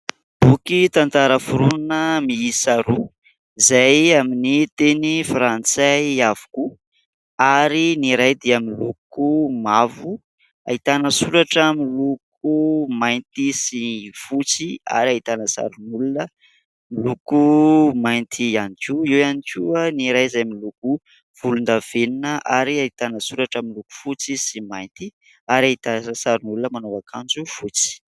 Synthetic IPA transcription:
b̥ukit̪ant̪aɾəfuɾunnəmiisaɾu | izajaminit̪enifɾant͡sajavu̥ku | aɾiniɾajd̪iaminlukumavu | a̰it̪anəsuɾaʈ͡ʂamiluk̚umajnt̪isifut͡sia̰ɾiait̪anəsa̰ɾunulunə | milukumajnt̪ʰianikuiwanikianiɾajzajamiluku | v̥ulund̪av̥eninəʔaɾiait̪anəsuɾaʈ͡ʂamiluku̥fut͡sisimajnt̪i | aɾiait̪azəsaɾunulunəmanoakʰand͡ʒufut͡si̥

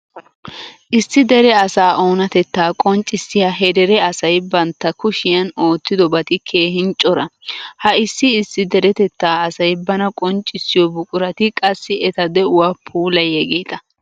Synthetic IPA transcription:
ʔɪsːɪd̪ɛɾɛɐsaːʔo̞ːnɐt̪ɛt̪ːaːkʼɔnt͡ʃʼːɪsːɪjaːɦɛd̪ɛɾɛɐsɐjbɐnt̪ːɐkʊʃɪjɐno̞ːt̪ːɪd̪ɔbɐt̪ɪkʰe̞ːhɪnt͡ʃʼːɔɾɐhɐɪsːɪːsːɪd̪ɛɾɛt̪ɛt̪ːaːɐsɐjbɐnɐkʼɔnt͡ʃʼːɪsːɪjɔbʊkʼʊɾɐt̪ɪkʼɐsːɪɛt̪ɐd̪ɛʊwaːpʰuːlɐjɛɡeːt̪ɐ

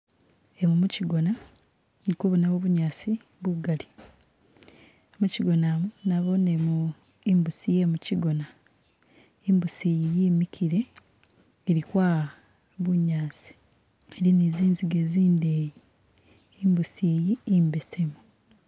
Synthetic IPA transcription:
emumuciɡo̞na | elikoːβunaβoβuɲaːsi | βuɡali | emuciɡo̞namunaβo̞nemu | imbusije̞muciɡo̞na | imbusijijimikʰiɾe̞ː | ɾikwa | βuɲaːsi̥ | elineziːnziɡeːziːndeji | imbusijiːmbesemu

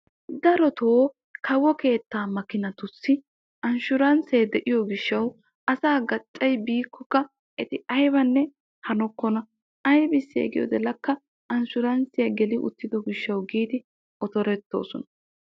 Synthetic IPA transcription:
d̪ɐɾɔt̪ʰoː | kʰɐwːɔke̞ːt̪ːaːmɐkɪnɐt̪ʊsːɪ | ʔɐnʃʊɾɐnseːd̪ɛʔɪjɔɡɪʃːɐw | ʔɐsaːɡɐt͡ʃʼːɐjbiːkːɔkːɐ | ʔɛt̪ɪɐjbɐnːɛ | hɐnɔkːɔnɐ | ɐjbɪsːɪɛ̰ɡɪjɔ̰d̪ɛlɐkːɐ | ɐnʃʊɾɐnsɪjɐɡɛlɪʔʊ̰t̪ːɪd̪ɔɡɪʃːɐwɡiːd̪ɪ | ɔt̪ɔɾɛt̪ːo̰ːsɔnɐ

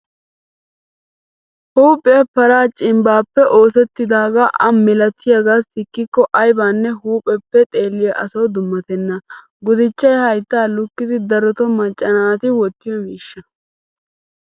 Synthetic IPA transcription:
huːpʼːɛɐpɐɾaːt͡ʃʼɪmbaːpːɛʔo̞ːsɛt̪ːɪd̪aːɡaːʔɐmːɪlɐt̪ʰːɪjɐɡaːsɪkːɪkːɔʔɐjbaːnːɛɦuːpʼɛpːɛt̪ʼe̞ːlːɪjɐʔɐsɐwd̪ʊmːɐt̪ɛnːɐ | ɡʊzɪt͡ʃːɐjhɐjt̪ːaːlʊkːɪd̪ɪd̪ɐɾɔt̪ɔmɐt͡ʃʼːɐnaːt̪ɪwɔt̪ːɪjɔmiːʃːɐ

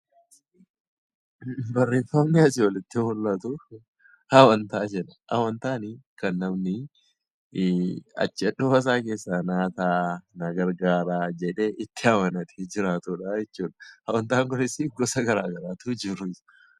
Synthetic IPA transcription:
bɐrːeːfɐnɪɐsɪwɐlɪt̪ːɪhʊlːɐt̪ʊ | hɐwɐnt̪aːd͡ʒɛᶑɐha̰wɐnt̪aːnɪkɐnːɐmnɪ | ɐ̰t͡ʃːɪɐᶑɔːɐs̬aːke̞ːsːaːnaːt̪aːnɐɡɐɾɡaːɾaːd͡ʒɛᶑe̞ːʔɪt̪ːɪɐwɐnɐt̪ʰed͡ʒɪɾaːt̪ʊᶑaːjɛt͡ʃːuːᶑɐ̥hɐwɐnt̪aːŋkʊnɪsɪɡɔsɐɡɐɾaːɡɐɾaːt̪ʊd͡ʒɪɾʊɪsɐ̥

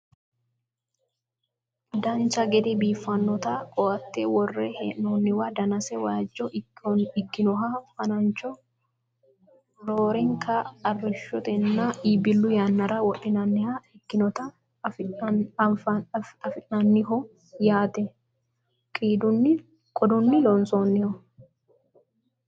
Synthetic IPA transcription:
d̪ɐnt͡ʃɐɡɛd̪ɛbiːfːɐnːɔt̪ɐkʼɔʔɐt̪ːɛwɔrːeheːʔnoːnːɪwɐd̪ɐnɐsɛwaːd͡ʒːɔʔɪkːɪnɔɦɐfɐnɐnt͡ʃɔ | ɾoːɾɪŋkʰɐːrːɪʃɔt̪ɛnːaiːbɪlːʊjanːɐɾɐwɔʔːɪnɐnːɪhaɪkːɪnɔt̪ɐ | fɪ | fɐɐfɪʔɐnːɪɦɔ | jaːt̪ɛ | kʼiːd̪ʊnːɪ | kʼɔd̪ʊnːɪlɔnsoːnːɪhɔ

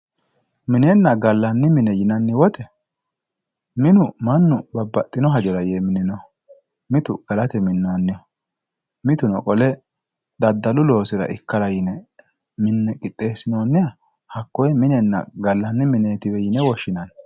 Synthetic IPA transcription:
mɪnɛnːɐɡɐlːɐnːɪmɪnɛjɪnɐnːɪwɔt̪ɛ | mɪnʊmɐnːʊbɐbːɐt̪ʼːɪnɔɦɐd͡ʒɔɾɐjeːmɪnɪnɔ | mɪt̪ʊɡ̥ɐlɐt̪ɛmɪnːonːɪjɔ | mɪt̪ʊnɔ̰kʼɔlɛ | d̪̥ɐd̪ːɐlʊlo̞ːsɪɾɐ̰ʔɪkːɐlɐjɪnɛ | mɪnːɛkʼɪt̪ʼːe̞ːsɪnoːnːɪjɐ | hɐkːɔjmɪnɛnːɐ̰ɡɐlːɐnːɪmɪneːt̪ɪbɛjɪnɛwɔʃːɪnɐn

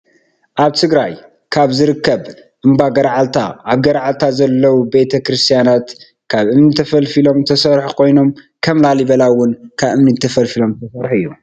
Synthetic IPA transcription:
ʔaβt̪ʰɨɡɾaj | kʰaβzɨɾɨkːɐβ | ʔɨmbaɡɐɾʕalt̪ʰa̰ʔaβɡɐɾʕalt̪ʰazɐlːɐwube̞t̪ʰɐkɾɨst̪ʰijanat̪ | kʰaβʔɨmnɨt̪ʰɐfɐlfilo̞mt̪ʰɐsɐɾħukʰo̞jno̞m | kʰɐmlaliβɐlawʊnkʰaβʔɨmnɨt̪ʰɐfɐlfilo̞mt̪ʰɐsɐɾħuɨjːu

